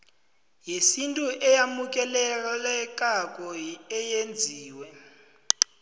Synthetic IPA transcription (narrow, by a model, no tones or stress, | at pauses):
jesintʼuʔɛjamuk̬ʼɛlɛlɛk̬ʼak̬ʼɔɛjend͡zʱiːwɛ